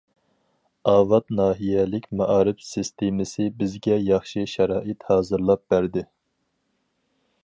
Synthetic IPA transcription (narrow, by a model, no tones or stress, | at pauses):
ɑːvɑt̪nɑːɦijɛlɪkʲmɑʔɑːɾɪbsɨst̪ʰemɪsɪbɪzɡʲɛjɑχʃiʃɛɾɑːʔɪt̪hɑːzɨɾlˠɑp̚b̥æɾd̪ɪ